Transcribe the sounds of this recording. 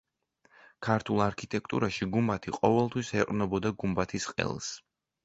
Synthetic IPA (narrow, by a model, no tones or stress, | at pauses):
kʰaɾt̪ʰulˠaɾkʰit̪ʼɛk̚ʰt̪ʼṵɾaʃiɡumbat̪ʰiqʼɔvɛlˠt̪ʰwisɛqʼnɔbɔd̪aɡumbat̪ʰisqʼɛ̰lˠs